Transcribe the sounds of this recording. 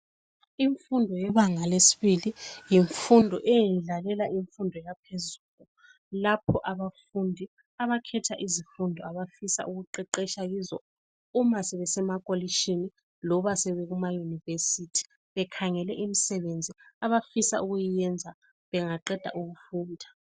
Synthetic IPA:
iɱfundʱɔjɛβaŋalesi̥βilijiɱfundʱɔ̰ʔɛjinɮalɛlaʔiɱfundʱɔjapʰezuɣu | lapʰɔʔaβafundʱi | aβakʰɛtʰaʔizifundʱɔaβafisa̰ʔuɣuǃɛǃɛʃaɣizɔ̰ | umasɛβɛsɛmakʼoliʃini | lɔβasɛβɛɣumajunivesitʰi̥ | βɛkʰaŋɛlɛʔimisɛβend͡zʱiaβafisa̰uɣujijɛnd͡zʱa | βɛŋaǃɛd̥ʱa̰ʔuɣufuːndʱa

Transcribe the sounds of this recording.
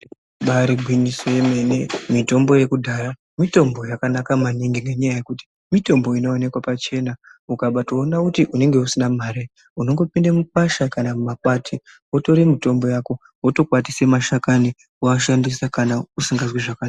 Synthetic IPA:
ɓaɾiɡʱwinisoje̞menemito̞mbo̞je̞kudʱaɾa | mito̞mbo̞jakanakamaniŋɡiŋe̞ɲajaje̞kuti̥ | mito̞mbo̞ino̞ːne̞kwapat͡ʃe̞naukaɓato̞ːnakutiʔune̞ŋɡe̞usinamaːɾe | uno̞ŋɡo̞pindamupaʃakanamumakwatʰi | wo̞to̞ɾimito̞mbo̞jaːko̞ | woto̞kwat̬ise̞maʃakani | waʃandisakanausiŋɡazwiʐaka

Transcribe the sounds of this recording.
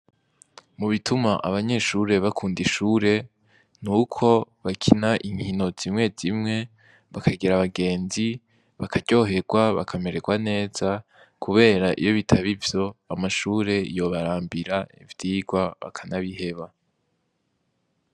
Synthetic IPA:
muβitumaʔaβaɲe̞ʃuɾe̞βakʰuːndiʃuːɾe̞ | nukʰo̞βakʰinaʔiŋhino̞z̥imŋe̞zimŋe̞ | βakʰaɡiɾaβaɡe̞ːnzi | βakʰaɟo̞ːɦe̞ɡ̥waβa̰kʰame̞ɾe̞ɡwane̞ːza | kʰuβe̞ːɾaʔḭjo̞βitʰaβivjo̞amaʃuːɾe̞jo̞βaɾaːmbiɾaḭvjiːɡwaβa̰kʰanaβihe̞βa

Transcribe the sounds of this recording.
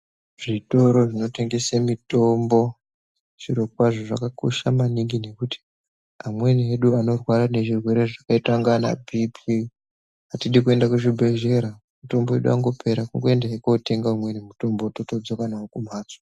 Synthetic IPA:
ʐito̞ɾo̞ʐino̞te̞ŋɡesemito̞mbo̞ | ʐiɾo̞kwaʐoʐa̰kako̞̰ʃamaniŋɡine̞kuti̥ | amwe̞nieɗuano̞rwaɾane̞ʐirwe̞ɾe̞ʐakaitaŋɡana̰bʱipʰi | atiɗik̬ue̞ndakuʐibʱe̞ʒe̞ɾa | mito̞mboe̞ɗuaŋɡo̞pʰe̞ɾakuŋɡoe̞ndaekote̞ŋɡaumwenimuto̞mbo̞totod͡zokanaokum̤aːt͡sḁ

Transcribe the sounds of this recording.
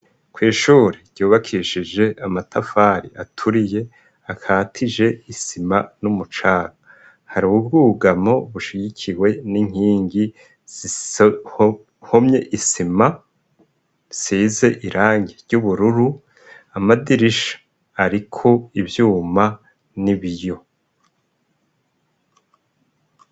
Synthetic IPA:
kwiːʃuːɾiɾɟ̥uːβakʰiʃid͡ʒe̞ʔamatʰafaːɾiʔatʰuɾije̞ | akʰaːtʰid͡ʒe̞isimanumut͡ʃaːɡa | haɾuβub̚ɡuːɡamo̞βuʃiɟikʰiwe̞niŋ̥hiːŋɡi | z̥i | homɲe̞ʔisima | siːze̞ʔiɾʔaːŋɟeɾɟuβuɾuɾu | amadiɾiʃḁ | aɾikʰo̞ivjuːma | niβijo̞

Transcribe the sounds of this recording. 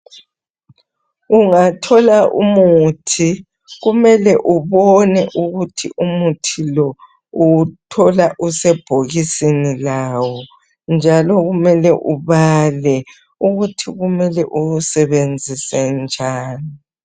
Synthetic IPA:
uŋatʰɔlaʔṵmutʰi | ɣumɛlɛʔuβɔnɛʔuɣutʰiʔumutʰilɔ | utʰɔlaʔusɛb̥ʱoɣisinilawɔ | nd͡ʒʱalɔɣumɛlɛʔuβalɛ | uɣutʰiɣumɛlɛʔuusɛβend͡zʱisɛnd͡ʒʱaːni

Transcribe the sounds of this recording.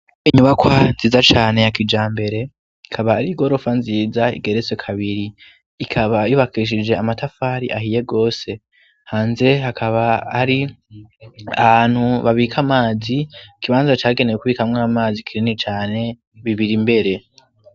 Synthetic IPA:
iɲuβakwanziːzat͡ʃaːne̞jakid͡ʒaːmbe̞ɾe̞ | ikʰaβaːɾiɡo̞ɾo̞fanziːzaḭɡe̞ɾet͡se̞kʰaβiɾiː | kʰaβajuβakʰiʃ̬id͡ʒe̞amatafaɾiʔahije̞ɡo̞ːse̞ | haːnze̞ɦakʰaβaːɾi | a̰βaːn̥huβaβikʰamaːziikʰiβaːnzat͡ʃaːɡe̞nejekuβiːkamŋaamaːzikʰiɾinit͡ʃaːne̞ | βiβiɾimbe̞ɾe̞

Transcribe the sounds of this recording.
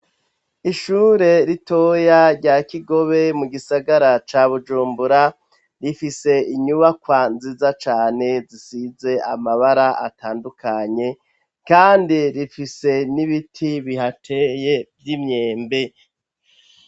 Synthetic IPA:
iʃuːɾe̞ɾito̞jaɾɟaːkiɡo̞βe̞muɡisaɡaɾat͡ʃaβud͡ʒuːmbuɾa | ɾifise̞iɲuβakwanzizat͡ʃaːne̞zisize̞amaβaɾaʔa̰tʰaːndukʰaɲe̞ | kaːndiɾifise̞niβitʰiβihatʰe̞je̞vɟimɲeːmbe̞

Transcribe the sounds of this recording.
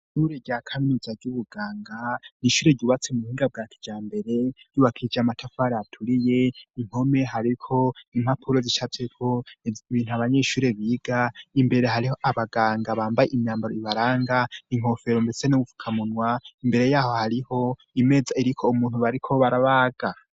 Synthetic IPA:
ʃuɾe̞ɟakʰaminizaɾɟuβuɡaːŋɡaniʃuːɾe̞ɟuːβat͡semuhiːŋɡab̚ɡaːkʰi̥d͡ʒaːmbe̞ɾe̞juβakʰid͡ʒamatʰafaɾeatʰuɾije̞iŋho̞me̞ɦaɾikʰo̞im̥hapʰuɾo̞ziʃat͡sekʰo̞iβiːn̥uaβaɲeʃuːɾe̞βiːɡ̥aimbe̞ɾe̞ɦaɾiho̞ʔaβaɡaːŋɡaβaːmbajeʔimɲaːmbaɾoiβaɾaːŋɡaiŋ̥o̞fe̞ɾombesenoufu̥kʰamunwaimbe̞ɾe̞jaːho̞haɾiho̞ | ime̞d͡zaiɾikʰo̞umuːn̥uβaɾikʰo̞βaɾaβaːɡ̥a

